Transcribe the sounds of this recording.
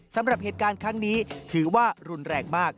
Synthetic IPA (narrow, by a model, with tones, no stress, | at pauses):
sa˩˦mɾa˨˩p̚heː˨˩t̪̚kaː˧nkʰɾa˦˥ŋniː˦˥t̪ʰɯː˩˦waː˥˩ɾu˧nɾɛː˧ŋ̚maː˥˩k̚